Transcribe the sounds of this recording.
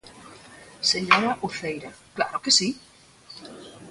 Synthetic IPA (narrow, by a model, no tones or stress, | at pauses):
seɲoɾaʔuθejɾakla̰ɾokesi